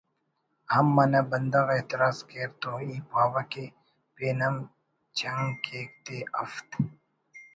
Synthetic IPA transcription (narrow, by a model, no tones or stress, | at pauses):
hɐmːɐnɐbɐnd̪ɐɣeːt̪ɪɾaːzkeːɾt̪oiːpaːwɐke | peːnɐm | t͡ɕʰɐŋkeːk̚t̪eɐft̪